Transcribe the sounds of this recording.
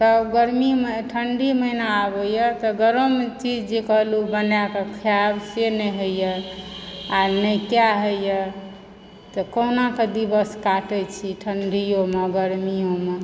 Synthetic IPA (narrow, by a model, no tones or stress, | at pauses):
t̪ɔɡəɾmimeʈʰəɳɖʱiməinaabəjət̪ɔɡəɾəmt͡ʃid͡ʒd͡ʒekəɦlubənjakekʰijabseneɦəjə | anəjkjaɦəjjə | t̪ɔkənaked̪ibəskaʈɛt͡ʃʰiʈʰəɳɖʱijomeɡəɾmijome